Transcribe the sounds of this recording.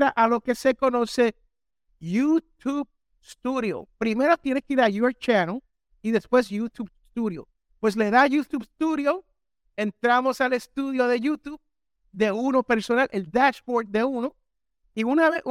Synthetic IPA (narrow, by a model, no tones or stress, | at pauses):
ɾaʔalo̞ke̞se̞ko̞no̞se̞ | jut̪ʰub | st̪uðjo̰pɾime̞ɾo̞t̪jenekiɾajuaɾt͡ʃanal | iðe̞spwe̞s̬jut̪ubst̪uðjo̰ | pwe̞s̬le̞ðajut̪ubst̪uðjo | e̞nt̪ɾamo̞sale̞st̪uðjo̞ðe̞jut̪ub | d̪e̞uno̞pe̞ɾso̞nalʔeld̪aʃboɾd̪̚d̪e̞uno | iunaβeʔ